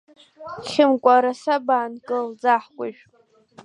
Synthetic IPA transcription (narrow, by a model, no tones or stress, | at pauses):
χʲɪmkʷʼaɾasabaːnkʼɨld͡zaħkʷʼaʒᶣ